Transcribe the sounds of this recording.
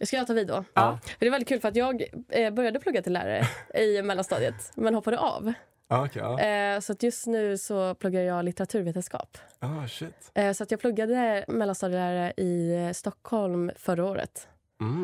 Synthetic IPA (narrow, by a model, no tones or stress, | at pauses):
jɑskaɑːt̪ʰɑːviːd̪o̰fœɾɖɛvɛlɪtkʰʉːlfœɾat̪jɑːɡbœɾjad̪əp̪ʰɵɡːat̪ʰɪllːæ̰ːɾa̰ɾə̰ɪmɛlːanst̪ɑ̰ːd̪jət̪mɛnhɔpːad̪əʔa̰v | kʰsɔat̪jɵst̪nʉ̟ːsɔpʰlɵɡːad̪əjɑːɡlɪt̪əɾat̪ʰʉ̟ːɾveːt̪ənskɑ̰ːpɑʃɪt̪ːsɔat̪jɑːɡpʰlɵɡːad̪əmɛlːanst̪ɑːd̪ɪlæːɾaɾəʔɪst̪ɔkʰːhɔlmfœɾaoːɾə̰t̪